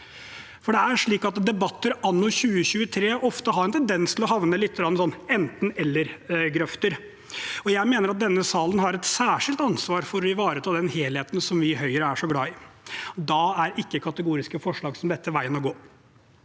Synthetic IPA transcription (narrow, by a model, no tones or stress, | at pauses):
fɔɖɛæʂɭiːkɑt̪d̪ɛbɑt̪ːəɾɑnːʊɕʉːəɕʉːət̪ʰɾeːʔɔft̪əɦɑɾɛnt̪ʰɛnd̪ɛnst̪ʰɪlɔhɑʋnəlɪt̪ːəɡɾɑnːsɔnːɛnt̪n̩ɛlːəɾɡɾœft̪əɾ | ɔjæɪmeːnəɾɑt̪̚d̪ɛnːəsɑːlənɦɑɾɛt̪sæːʂɪlt̪ɑnsʋɑːɾfɔɾɔɪʋɑːɾət̪ʰɑːd̪ɛnheːlheːt̪ən̩sɔmʋɪɦœʏəɾəæʂɔɡlɑːɪd̪ɑæɾɪkːəkʰɑt̪əɡuːɾɪskəfɔʂɭɑːɡsɔmd̪ɛt̪ːəʋæɪənɔɡoː